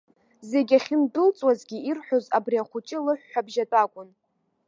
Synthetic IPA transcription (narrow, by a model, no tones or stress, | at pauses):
ze̞ɡʲaχʲɪmdɨlt͡sʼwazɡʲiirħʷᶣozabriaχʷʊt͡ʃʼɪlɨħᶣːabʒatʼakʷʼʊn